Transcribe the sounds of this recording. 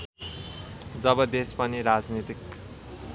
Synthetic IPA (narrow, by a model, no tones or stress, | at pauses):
d͡zʌbʌd̪espʌniɾad͡znit̪ik